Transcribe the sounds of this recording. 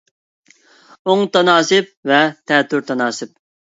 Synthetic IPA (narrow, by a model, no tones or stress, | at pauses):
oŋt̪ʰɑnɑːsɨp̚vɛt̪ʰɛt̪ʰːyɾt̪ʰɑnɑːsɪp̚